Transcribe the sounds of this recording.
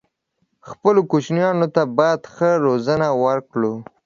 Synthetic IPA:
xpəlokot͡ʃnjɑnot̪abɑjad̪xəɾozənawəɾkɽu

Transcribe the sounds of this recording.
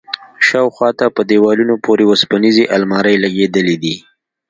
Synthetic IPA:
ʃɑwxwɑt̪apəd̪ewɑlunopʰoɾeospanizeʔalmɑɾəjlaɡed̪əlid̪i

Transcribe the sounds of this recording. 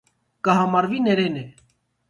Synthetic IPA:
kaɦamaɾʋineɾeːne

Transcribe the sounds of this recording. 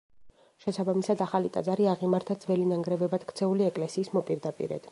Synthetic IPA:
ʃɛsabamisad̪aχalit̪ʼa̰d̪zaɾiaʁimaɾt̪ʰad̪zvɛlinaŋɡɾɛvɛbad̪̥kʰt̪sʰɛuliɛkʼlɛsiːsmɔpʼiɾd̪apʼḭɾɛ̰d̪̥

